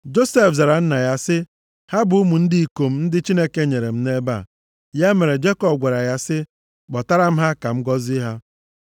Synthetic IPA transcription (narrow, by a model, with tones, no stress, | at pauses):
d͡ʒo˦se˦˨fza˨ɾa˨n̩˦na˨ja˦sɪ˦ | ha˦bʊ˨˦u˦mu˨n̩˦di˦i˨ko˨m̩˦n̩˦dɪ˦t͡ʃi˦ne˦ke˦ɲe˨ɾe˨m̩˦ne˦ba̰˦˨ | ja˦me˨ɾe˨d͡ʒe˦kɔ˨p̚ɡʷe˨ɾa˨ja˦sɪ˦ | ɡ͡bɔ˨ta˦ɾa˦m̩˦ɦa˦ka˨m̩˦ɡɔ˦zi˦ɦa˦